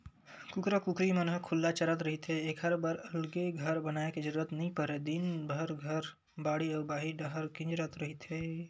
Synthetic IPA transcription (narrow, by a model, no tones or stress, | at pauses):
kukɾəkukɾimənɦəkʰulːat͡ʃəɾət̪ɾəɦit̪ɦeekʰəɾbəɾəlɡeɡʱəɾbənaeked͡ʒəɾuɾət̪nəɦĩpəɾed̪inbʱəɾɡʱəɾ | baɽiɔːɾbaːɦiɖəɦəɾkĩnd͡ʒɾət̪ɾəɦit̪ɦe